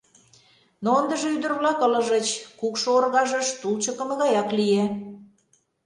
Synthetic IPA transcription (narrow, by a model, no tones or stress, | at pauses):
noənd̪əʒeyd̪ə̆rβlɑkə̆lə̆ʒə̆t͡ɕkukʃoorɣɑʒə̆ʃt̪ult͡ɕəkə̆mə̆ɣɑjɑklije